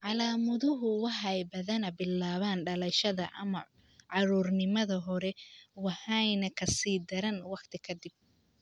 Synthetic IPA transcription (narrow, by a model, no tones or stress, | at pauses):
ʕɑlaːmɐðʊɦʊwɑħɑjbɐðɐnɐbɪlːaːβaːnɖɐlɐʃɐðɐm | ʕɑɾuːrnɪmɐðɐɦɔɾɛwɑħɑjnɐkʰɐsiːd̪ɐɾɐnwɑqt̪ʰɪkʰɐd̪ɪb̚